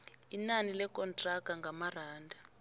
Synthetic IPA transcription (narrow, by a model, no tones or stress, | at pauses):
inanilɛkʼɔntʼraɡ̥ʱaŋɡʱamaraːndʱa